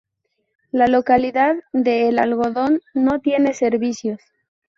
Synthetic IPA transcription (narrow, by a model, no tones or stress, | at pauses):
lalo̞kaliðaððe̞ːlalɣo̞ðo̞nːo̞t̪je̞ne̞se̞ɾβisjo̞s